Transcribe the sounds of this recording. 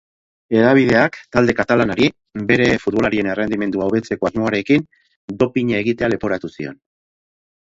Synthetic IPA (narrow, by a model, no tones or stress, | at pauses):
e̞ðaβ̞iðe̞akt̪ald̪e̞kat̪alanaɾi | be̞ɾe̞fut̪βo̞laɾie̞nerend̪ime̞nd̪uawβe̞t͡se̞ko̞azmo̞aɾe̞kin | d̪o̞piɲae̞ɣit̪e̞ale̞poɾat̪usio̞̰n